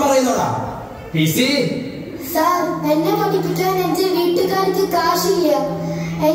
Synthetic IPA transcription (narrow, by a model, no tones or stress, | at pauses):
pɐrɐjunːɐða̰ː | pisi | sarenːepɐɳːipʲːitʲːaːnend͡ʑɐʋiːʈːɨkaːɾit͡ɕːɨkaːʂiɣɐjaːme